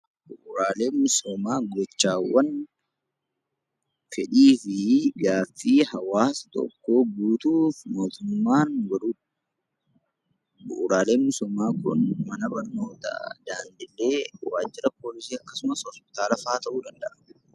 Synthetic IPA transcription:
bʊʔʊɾaːle̞ːmʊsoːmaːɡɔt͡ʃːaːwːɐn | fɛᶑiːfɪɡaːfːiːhɐwaːst̪ɔ̰kːo̞ːɡuːt̪uːfmo̞ːt̪ʊmːaːnɡɐɾuːᶑ | bʊʔʊɾaːle̞ːnmʊsɔmaːkʊnmɐnɐbɐɾno̞ːt̪ɐ̰d̪̥aːnd̪ɪlːeːwaːd͡ʒːɪɾɐpo̞ːlɪsiːɐkːɐsʊmɐshɔspɪ̥t̪aːlɐfaːt̪ɐʔuːd̪ɐnd̪ɐʔɐ

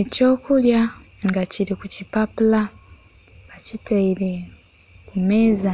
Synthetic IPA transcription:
eco̞ːkulja | ŋɡaciɾikucipapula | βacitaiɾe̞ | kume̞ːza

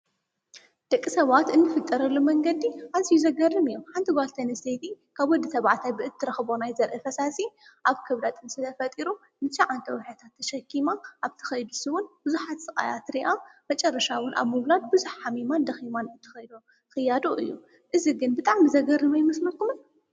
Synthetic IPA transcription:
d̪̥ɐkʼːisɐβat̪ɨnːɨfɨt̪ʼːɐɾɐlːumɐŋɡɐd̪iʔazijuzɐɡɐrːɨmɨjːomħant̪ʰiɡalt̪ʰɐniset̪ʰikʰaβwɔd̪it̪ʰɐβaʕt̪ʰajbɨʔɨt̪ʰːɨɾɐxbo̞najzɐɾʔɨfɐsasiʔaβkʰɐβd̪at̪ʼɨnsɨt̪ʰɐfɐt̪ʼiɾu | mɨt͡ʃːaʕant̪ʰɐwħat̪ʰat̪ʰːɐʃɐkʰːimaʔaβt̪ʰɨ̥xɐjd̪usɨwʊnb̥ɨzuħat̪sʼɨkʼa̰jat̪ɾiʔamɐt͡ʃʼɐrːɐʃawʊnʔa̰βmɨβlad̪̚bɨzuħħamimand̪ɐximanɨt̪ʰɨ̥xɐjd̪o | xɨjːad̪oʔɨ̰jːu | ʔɨziɡɨnbɨt̪ʼaʕmizɐɡɐrɨmajmɐslɐkːumɨn

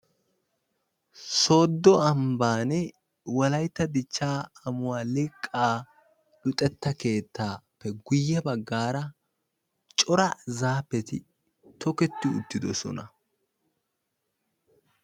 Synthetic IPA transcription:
so̞ːd̪ːɔɐmbaːnɛ | wɐlɐjt̪ːɐd̪ɪt͡ʃːaːɐmʊwaːlɪkʼːaː | lʊt̪ʼɛt̪ːɐke̞ːt̪ːaːpːɛɡʊjːɛbɐɡːaːɾɐ | t͡ʃʼɔɾɐzaːpːɛt̪ɪ̰ | t̪ɔkɛt̪ːɪʊ̰t̪ːɪd̪ɔsɔ̰nɐ

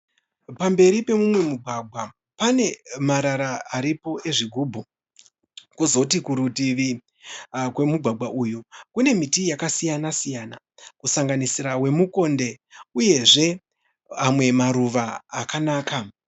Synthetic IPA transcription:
pambe̞ɾipe̞mumwe̞muɡʱwaɡʱwa | pane̞maɾaɾaːɾipo̞ʔe̞ʐiɡʱuːbʱu | kuzo̞tikuɾutiʋi | kwe̞muɡʱwaɡʱaʔujukune̞mitijakasijanasijana | kusaŋɡanisiɾawe̞muko̞nde̞uje̞ʐe̞ | amwe̞maɾuʋaːkanaːka

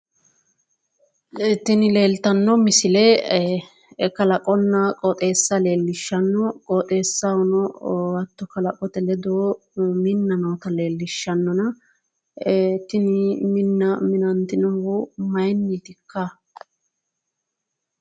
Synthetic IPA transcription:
t̪ːɪnɪle̞ːlt̪ɐnːɔmɪsɪlɛ | kɐlɐkʼɔnːɐkʼɔt̪ʼe̞ːsːɐle̞ːlːɪʃːɐnːɔkʼɔt̪ʼe̞ːsːɐɔnɔwɐt̪ːɔkɐlɐkʼɔt̪ɛlɛd̪o | mɪnːɐnɔt̪ɐleːlːɪʃːɐnːɔnɐ | t̪ɪnɪmɪnːɐmɪnɐnt̪ɪnɔwʊmɐjnːit̪ɪkːɐ

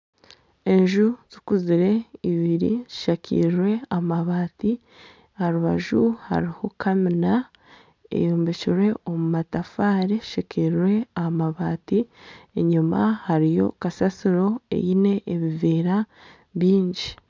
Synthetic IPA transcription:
e̞ɲʒuz̥ikuziɾe̞iβiɾḭziʃakʰḭːɾwe̞amaβaːti | haɾuβaʒuha̰ɾiho̞kʰamina | ḛjoːmbeciɾwe̞omumatafaːɾeʃakʰiɾwe̞amaβaːtieɲumahaɾijo̞̰kasasiɾo̞e̞̰jine̞ʔːβiveːɾa | βiːɲɟi

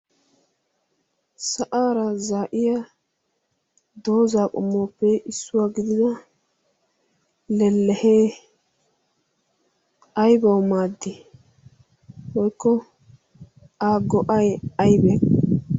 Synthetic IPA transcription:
sɐʔaːɾɐzaːʔɪja | d̪o̞ːzaːkʼɔ̰mːoːpːɛʔɪsːʊwaːɡɪd̪ɪd̪ɐ | lɛlːɛheː | ɐjbɐwmaːd̪ːɪ | wɔjkːɔ | aːɡɔʔɐjɐjbɛ

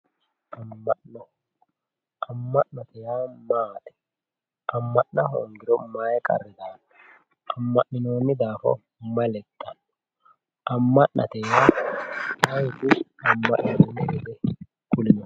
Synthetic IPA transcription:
ʔɐmːɐʔnɔ | ʔɐmːɐʔnɐt̪ɛjaːmaːᶑ̪ɛ̥ | ʔɐmːɐʔnɐɦo̰ːŋɡɪɾɔmaːjkʼɐ̰rːɛd̪aːf | ɐmːɐʔnɪno̞ːnːɪd̪aːfɔ̰ | mɐlɛt̪ʼːɐn | ɐmːɐʔnʔɐ̰t̪ɛjaːmɐjdɪɐmːɐʔnɐd̪ɛnːɛdɛd̪ɛ | kʊlɪnɔ

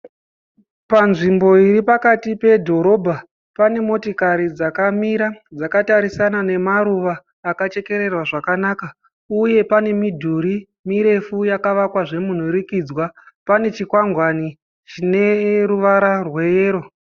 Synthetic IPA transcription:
panʐimbo̞iɾipakatipe̞dʱo̞ɾo̞bʱa | pane̞mo̞tikaɾid͡zakamiɾad͡zakataɾisanane̞maɾuʋaː | kat͡ʃe̞ke̞ɾe̞rwaʐakanaːka | uje̞pane̞midʱuɾi | miɾe̞fujakaʋakwaʐe̞mun̤uɾikiːd͡zwapane̞t͡ʃikwaŋɡwani | t͡ʃine̞ruʋaɾarwe̞jeːɾo̞

